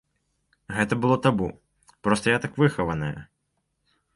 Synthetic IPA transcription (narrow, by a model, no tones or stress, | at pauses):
ɣɛt̪ɐbɨlˠɔt̪abu | pɾɔst̪ɐjat̪akvɨxɐvɐnɐjɐ̰